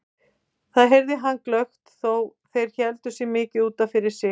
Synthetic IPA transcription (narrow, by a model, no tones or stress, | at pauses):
θaðɦejɾðɪɦanːklœxt̪θowθejɾ̥çɛlt̪ʏsɛɣmɪːcɪuːt̪afɪɾɪɾ̥sɪ